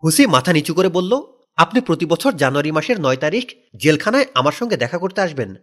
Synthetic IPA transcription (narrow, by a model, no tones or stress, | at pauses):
ɦusimat̪ʰanit͡ɕukoɾebolːo | apnipɾot̪ibɔt͡ɕʰoɾd͡ʑanuaɾimaʃeɾnɔet̪aɾikʰ | d͡ʑelkʰanaeamaɾʃɔŋɡed̪ɛkʰakoɾt̪eaʃben